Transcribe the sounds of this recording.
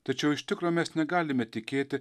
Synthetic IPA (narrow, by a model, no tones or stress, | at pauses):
t̪ɐt͡ʃʲɛwɪʃt̪ɪkɾɔmʲɛːsnʲɛɡaːlʲɪmɛt̪ʲikʲeːt̪ɪ